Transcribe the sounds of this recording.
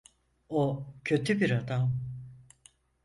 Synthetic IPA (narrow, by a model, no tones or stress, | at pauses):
ocʰø̞t̪ʰybiɾad̪am